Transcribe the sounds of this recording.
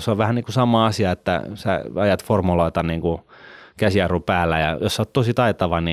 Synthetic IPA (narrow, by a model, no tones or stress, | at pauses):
soʋʋæhænniːŋkusɑmˑɑːɑsiɑet̪ːæ̰sæ̰ɑjɑt̪formuloit̪ɑnniŋkukæsiɑrupæːlːæjɑ̰josoːt̪t̪osit̪ɑet̪ɑʋɑni